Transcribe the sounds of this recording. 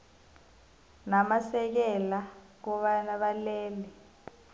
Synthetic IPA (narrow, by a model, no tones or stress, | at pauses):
namasɛk̬ɛla | k̬ɔɓanaɓalɛːlɛ